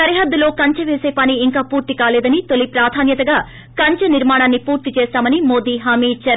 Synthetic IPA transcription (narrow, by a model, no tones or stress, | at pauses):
ɐɾiɦɐd̪ːɐlo̞ːkɐɲt͡ʃɐʋeːseːpɐniːŋkaːpuːɾt̪ikaːleːd̪ɐnit̪olipɾaːd̪ʱaːnjɐt̪ɐɡaː | kɐɲt͡ʃɐniɾmaːɳaːnːipuːɾt̪it͡ʃeːsaːmɐnimo̞ːd̪iːɦaːmiːt͡ʃɐɾ